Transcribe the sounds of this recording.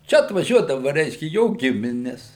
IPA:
ˈt͡ʃʲɛ ɐtʋɐˈʒʲuɔdɐʋɐ ˈrʲɛɪʃʲkʲɛ ˈjoː ˈɡʲɪmʲɪnʲɛs

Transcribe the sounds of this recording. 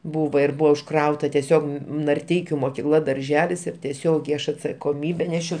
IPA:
ˈbuːʋɐ ɪr ˈbʊʋɐ ʊʃˈkrɐʊtɐ tʲɛˈsʲoːk nɐrʲˈtʲɛɪkʲʊ moːkʲɪˈklˠɐ dɐrʲˈʒʲæːlʲɪs ɪr tʲɛˈsʲoːɡʲɛɪ ˈɐʃ ɐtsɐkoːˈmʲiːbʲɛ ˈnʲæːʃʲɛʊ

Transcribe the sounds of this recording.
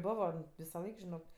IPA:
ˈboːʋoː ʋʲɪsɐˈlˠɐɪk ʒʲɪˈnoːk

